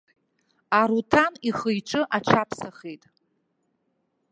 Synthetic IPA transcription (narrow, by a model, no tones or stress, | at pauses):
aɾutʰaniχəjʈ͡ʂʼɨʔaʈ͡ʂʰapʰsaχejtʼ